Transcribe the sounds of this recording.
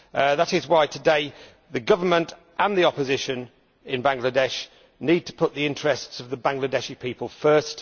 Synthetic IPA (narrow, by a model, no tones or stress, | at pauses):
ðəɾɪzwaɪtʰədeɪ | ðəɡʌvəmə̃nt | ʔə̃nðiɒpəzɪʃə̃n | ɪ̃nbãŋɡlədɛʃ | niːd̚tʰə̥pʰʊʔ̪̚ðiɪ̃nt͡ʃɹ̥ɛstsəvðəbãŋɡlədɛʃipʰiˑpəlˠfɜˑ˞st